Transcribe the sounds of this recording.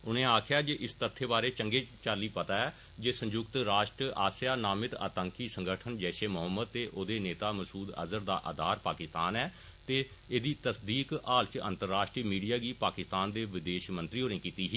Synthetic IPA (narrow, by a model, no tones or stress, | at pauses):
ʊnẽːaːkʰjaːd͡ʒeːʔɪst̪ət̪ʰːeːbaːɾeːt͡ʃəŋɡeːt͡ʃaːliːpət̪aːɛː | d͡ʒeːsə̃ɲd͡ʒʊkt̪ɾaːʃʈɾʔaːsjaːnaːmɪt̪ə̰ːt̪ə̃ŋkiːsəŋɡəʈʰənd͡ʒɛːʃeːmʊɦəmːəd̪̚t̪eːʔoːd̪eːneːt̪aːməsuːd̪ə̰zəɾd̪a̰ːʔə̰ːd̪ʱaːɾpaːkɪst̪aːnɛː | t̪eː | eːd̪iːt̪əsd̪iːkaːlt͡ʃə̰nt̪əɾːaːʃʈɾiːmiːɖijaːɡiːpaːkɪst̪aːnd̪eːʋɪd̪eːʃmə̃nt̪ɾiːoːnẽːkiːt̪iːɦiː